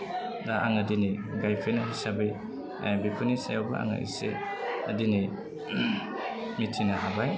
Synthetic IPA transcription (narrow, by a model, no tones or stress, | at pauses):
daʔa̰ŋadiniɡajpʰenaɦisabij | bipʰunisajawba̰a̰ŋa̰ʔḭsḛadini | mitʰinaɦabaj